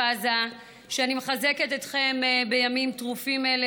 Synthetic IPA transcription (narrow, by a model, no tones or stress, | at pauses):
aza | ʃeanimeχaze̞ketet̪χe̞mbe̞jamimtʁufimele